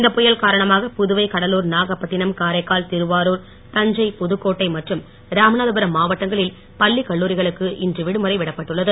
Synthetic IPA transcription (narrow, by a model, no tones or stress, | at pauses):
ɪnd̪ɐpːɔjɐlkaːɾɐɳɐmaːɣɐpʊðɯʋɐɪkɐɽɐluːɾnaːɣɐpːɐʈːɪnɐmkaːɾɐɪkːaːlt̪ɪɾɯʋaːɾuːɾ | t̪ɐɲd͡ʒɐɪpʊðɯkːoːʈːɐɪmɐʈrɯm | ɾaːmnaːðɯbɐɾɐmːaːʋɐʈːɐŋɡɐɭɪl | pɐlːikɐɭːuːɾɪɣɐɭɯkːɯʔɪndrɯʋɪɽɯmɯɾɐɪʋɪɽɐpːɐʈːɯɭːɐðɯ